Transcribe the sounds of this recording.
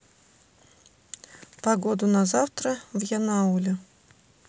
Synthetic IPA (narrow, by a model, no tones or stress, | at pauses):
pɐɡod̪ʊnɐzaft̪ɾəvjanaulʲɪ